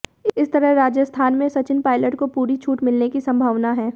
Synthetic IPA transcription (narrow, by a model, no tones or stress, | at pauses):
ɪst̪ɐɾəɦɾaːd͡ʒjəst̪ʰaːnmẽsɐt͡ʃɪnpaːɪləʈkopuːɾit͡ʃʰuːʈmɪlnekisɐ̃mbʱaːʋnaɦɛː